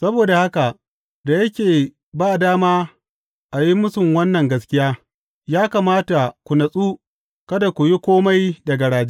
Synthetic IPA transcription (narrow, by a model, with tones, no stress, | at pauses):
sɐ˦boː˨da˨ha˦ka˨ | da˨jɐ˦kʲeː˨ | baː˦˨daː˦maː˦ | ʔa˨ji˦mʊ˦sʊ˨mwɐ˦nːɐ˨ŋɡɐ˦skʲɪ˦jaː˦ | jaː˦kaː˨maː˦ta˨kʷu˨nɐ˨sʼuː˦ | kɐ˦da˨kʷu˨ji˦kʷoː˦ma˦jdɐ˨ɡa˨ɽaː˨d͡ʒe˦